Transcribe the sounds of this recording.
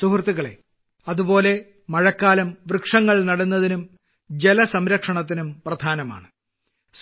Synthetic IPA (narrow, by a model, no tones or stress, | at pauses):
suhrt̪ːiɣɐɭe̞̰ | ɐðubo̞ːle̞ | mɐɻɐkːaːlɐmʋrɨkʂɐŋːɐɭnɐɽunːɐðinum | d͡ʑe̞lɐsɐmɾɐkʂɐɳɐt̪ːinumprɐd̪ʱaːnɐma̰ːɳɨ